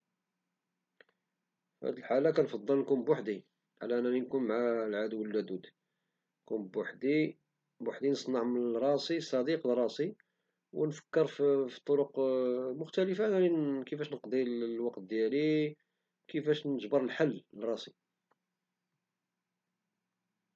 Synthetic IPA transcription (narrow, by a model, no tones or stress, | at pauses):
fhæ̰d̪əlħalːakænfɑd̪ˤːəllkʊmbwaħd̪i | ʕlæʔənːælinkunmʕalʕad̪wəlːæd̪ud̪ | kʊmbwaħd̪i | bwaħd̪inəsˤnɑʕmənɾˤɑsisˤɑd̪iqlrˤːɑsi | wnfə̥kːəɾffi̥t̪ˤːoɾʊqmʊxt̪æləfanælikəfæʃnəqd̪ˤiwɑqt̪̚d̪jæli | kəfæʃnəʒbəɾˤəlħalːrˤːɑsˤi